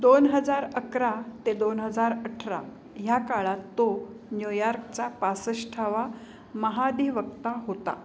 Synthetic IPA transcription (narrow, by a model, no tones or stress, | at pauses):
d̪onɦəd͡zaɾəkɾat̪ed̪onɦəd͡zaɾəʈʰɾa̰ | jakaɭat̪ːonjojaɾkt͡ɕapasəɕʈʰaʋa | məɦad̪iʋək̚t̪aɦot̪a̰